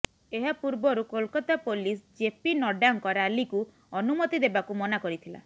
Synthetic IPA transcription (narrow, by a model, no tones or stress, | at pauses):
eɦapuɾbɔɾukolkɔt̪apolis̬d͡ʒepinɔɖaŋkɔɾealiku | ɔnumɔt̪id̪ebakumɔnakɔɾit̪ʰila̰